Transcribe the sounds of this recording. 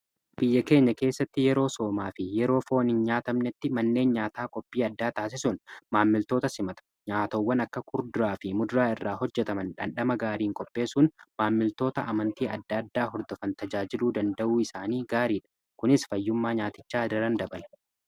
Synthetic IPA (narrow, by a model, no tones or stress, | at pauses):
b̥ɪjːɐke̞ːɲːɐke̞ːsːɐt̪ːɪjɛɾo̞ːso̞ːmaːfɪjɛɾo̞ːfo̞ːnɪnɲaːt̪ɐmnɛt̪ːɪmɐnːe̞ːnɲaːt̪aːkʼɔpʼːiːɐd̪ːaːt̪aːs̬ɪsʊnmaːmːɪlt̪o̞ːt̪ɐsɪmɐt̪ɐ̥ | ɲaːt̪ɐwːɐnɐkːɐkʰʊɾd̪ʊɾaːfɪmʊd̪ʊɾaːɪrːaːhɔd͡ʒːɛt̪ɐmɐnᶑɐ̰nᶑɐmɐɡaːɾiːŋkʼɔpʼːe̞ːsuːnmaːmːɪlt̪o̞ːt̪ɐ̰ʔɐmɐnt̪iːɐd̪ːɐɐd̪ːaːɦɔɾd̪ɔfɐnt̪ɐd͡ʒaːd͡ʒɪluːd̪ɐnd̪ɐʔuːɪsaːniːɡaːɾiːᶑɐ̥ | kʊnɪsfɐjːʊmːaːɲaːt̪ɪt͡ʃːaːd̪ɐɾɐnd̪ɐbɐl